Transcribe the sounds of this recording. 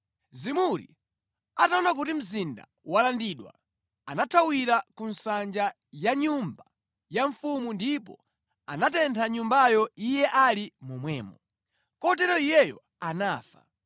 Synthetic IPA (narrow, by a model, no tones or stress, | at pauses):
zimuɾḭ | ataɔnak̬utim̩zinda̰ | walandiɗwa̰ | anatʰawiɾakunsand͡ʒa | jaɲumba | jaɱfumundipɔ̰ | a̰natɛntʰaɲumbajɔijɛʔalimumwɛ̰ːmɔ | kɔt̬ɛɾɔijɛjɔ̰ | anaːfḁ̰